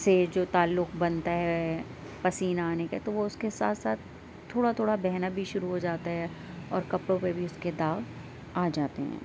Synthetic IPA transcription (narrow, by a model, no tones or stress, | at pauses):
sed͡ʒoːt̪aːlːʊkbɐnt̪aɦɛ | pɐsiːnaːneka̰t̪oʋoʊskesa̰ːt̪saːt̪ʰː | oːɽat̪ʰoːɽabɛɦnabʱiʃʊɾuɦod͡ʒaːt̪aɦɛ | ɔːɾkɐpɽõpebʱiʊsked̪aːɡ | aːd͡ʒaːt̪ḛɦɛ̰̃ː